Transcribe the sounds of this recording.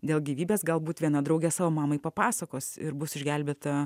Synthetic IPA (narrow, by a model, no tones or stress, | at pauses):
d̪ʲeːlˠɡʲiːʋʲiːbʲeːsɡɐlˠbuːt̪ʋʲiɛnɐd̪ɾɐʊɡʲɛsɑːʋoːmɑːmɐɪpɐpɑːsɐkoːsɪ̰ɾbʊsɪʒʲɡʲælʲbʲeːt̪ɐ